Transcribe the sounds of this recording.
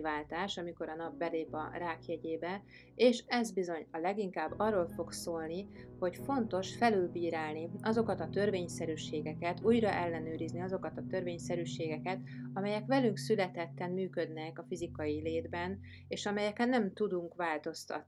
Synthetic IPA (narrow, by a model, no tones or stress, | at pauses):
vaːlt̪aːʃɒmiko̞ɾɒnɒb̚bɛleːpɒ̰raːkjɛɟeːbɛ | eːʃɛzbizo̞ɲɒlɛɡiŋkaːbːɒrːo̞lfo̞ɡsoːlniho̞cfo̞nt̪o̞ʃfɛlyːlbiːɾaːlniɒzo̞kɒt̪ɒt̪ø̞rveːɲsɛɾyːʃeːɡɛkɛt̪uːjɾɒʔɛlːɛnøːɾizniɒzo̞kɒt̪ɒt̪ø̞rveːɲsɛɾyːʃeːɡɛkɛt̪ɒmɛjɛkʋɛlyŋksylɛt̪ɛt̪ːɛmmyːkød̪nɛkɒfizikɒjileːd̪bɛn | eːʃɒmɛjɛkɛnːɛmt̪ud̪uŋkʋaːlt̪o̞st̪ɒ̰t̪ni